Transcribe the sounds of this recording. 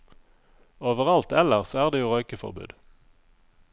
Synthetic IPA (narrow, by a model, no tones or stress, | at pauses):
oːʋəʁɑlt̪ɛləʁsoːæːʁd̪eːjuːʁœʏkəfɔ̰ʁbʉ̰ːd̪